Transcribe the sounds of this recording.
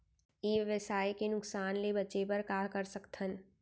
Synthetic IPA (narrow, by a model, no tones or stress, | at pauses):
eːʋəsaːjkenʊksaːnlebətːt͡ʃepəɾkaːkəɾsəkt̪ʰən